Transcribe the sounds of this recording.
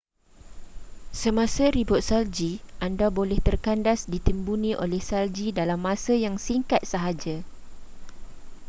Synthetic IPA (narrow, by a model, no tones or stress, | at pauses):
səmãsaɾibʊt̪̚sald͡ʒiʔandabolɛht̪ərkandasdit̪əmbunĩʔo̰lɛhsald͡ʒidalamːãsajaŋsiŋkat̪̚səɦad͡ʒa